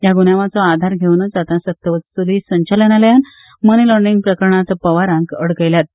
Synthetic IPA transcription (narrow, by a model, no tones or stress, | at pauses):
jaɡunjaʋat͡sɔad̪ʱaɾɡʱewnəd͡zat̪ãsət̪ːəʋət͡st̪ulisə̃ɲt͡ɕalənaljan | mənilɔɾɖiŋɡpɾəkəɾɳat̪pəʋaɾãŋkəɽkəjljat̪̚